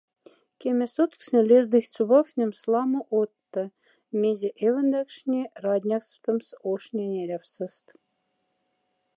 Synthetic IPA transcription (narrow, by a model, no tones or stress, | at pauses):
kʲemʲesut̪ksnʲelʲezd̪ɨxʲt͡suβɑfnʲə̆mslˠɑmɤ̆ʔot̪ːɤ̆ | mʲezʲeʔevə̆nd̪ækʂnʲerɑd̪ʲnʲɑkst̪ə̆msoʃnʲenʲeɾʲæfsə̆st̪